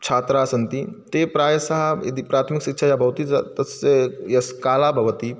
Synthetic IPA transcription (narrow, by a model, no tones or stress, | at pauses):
t͡ʃʰaːt̪ɾaːsɐnt̪it̪epɾaːjɐsɐɦɐjɐ̰d̪ipɾaːt̪ʰmikʃikʃʰajabʱɐɦut̪it̪ɐsejɐskaːlaːbʱɐʋɐt̪i